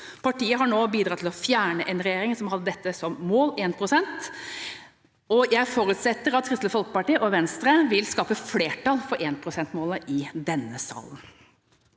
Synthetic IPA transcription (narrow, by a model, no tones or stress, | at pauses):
pʰɑʈiːəɦɑɳoːbiːd̪ɾɑt̪ʰɪlɔfjæːɳəʔɛnɾɛjeːɾɪŋsɔmhɑd̪ːəd̪ɛt̪ːəsɔmːoːleːnpʰɾʊsɛnt̪ | ɔjæɪfoːɾʉt̪sɛt̪ːəɾɑt̪ʰːɾɪst̪ləfɔlkəpɑʈiːəʔɔʋɛnst̪ɾəʋɪlskɑːpəfleːʈɑlfɔɾʔeːnpʰɾʊsɛnt̪moːləʔɪd̪ɛnːəsɑ̰ːlən